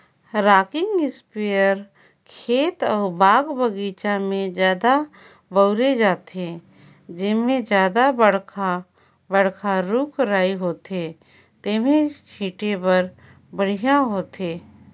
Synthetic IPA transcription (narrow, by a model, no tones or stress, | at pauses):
ɾaːkɪ̃ŋɡɪspijəɾ | kʰeːt̪ɔːɾbaːɡbəɡiːt͡ʃamẽd͡ʒjaːd̪a | bəʊɾed͡ʒaːt̪e | d͡ʒɪmẽd͡ʒjaːd̪abəɽ̤kʰa | bəɽ̤kʰaɾuːkʰɾaːiɦoːt̪eː | t̪eːmẽt͡ʃʰiːʈepəɾ | bəɽ̤ijãɦoːt̪eː